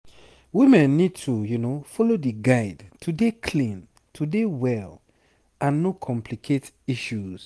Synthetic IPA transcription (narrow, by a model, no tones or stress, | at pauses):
wimɛ̃nːid̚tʰujunofɔlodiɡaɪdtʰudekʰlĩn | tʰudewɛl | ãnːokʰɔ̃mpʰlikʰet | iʃuz̥